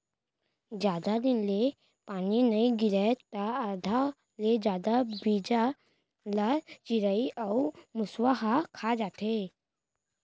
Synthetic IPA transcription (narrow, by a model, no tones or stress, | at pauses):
d͡ʒjaːd̪ad̪ɪnle | paːninɐiɡiɾɛt̪aːd̪ʱa | led͡ʒjaːd̪abid͡ʒa | lat͡ʃiɾəiʔamuswaɦakʰad͡ʒaːt̪e